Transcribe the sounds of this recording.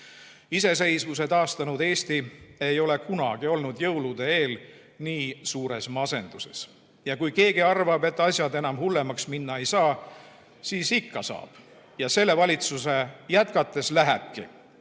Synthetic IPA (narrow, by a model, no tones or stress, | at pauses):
ise̞s̬e̞jsvus̬et̪ɑːst̪ɑnud̪e̞ːst̪ie̞jo̞le̞kunɑ̰ɡ̥io̞lnud̪̥jɤwlud̪̥e̞e̞ːl | niːsuːɾe̞smɑse̞nd̪̥use̞̰s | jɑkujke̞ːɡiɑrvɑbe̞t̪ːˑɑsʲjɑd̪e̞nɑmhulːe̞mɑksminːɑe̞jsɑː | siːsikːɑsɑ̰ːb̥ | jɑse̞lːe̞vɑlʲit̪susejæt̪kɑt̪ːˑe̞slæɦḛb̥̚kḭ